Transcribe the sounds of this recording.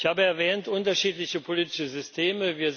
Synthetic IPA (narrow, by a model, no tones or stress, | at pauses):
çhaːbəɛɐvɛːntʔʊntɐʃiːtlɪçəpʰoliːtɪ̥ʃəzʏstʰeːməviːɐ